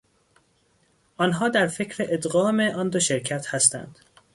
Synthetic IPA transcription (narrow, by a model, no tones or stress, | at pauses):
ʔɒnɦɒːd̪æɾfe̞cʰɾeʔed̪ɣɒːme̞ʔɒnd̪o̞ʃe̞ɾcʰæt̪ʰhæst̪æ̰nd̪̥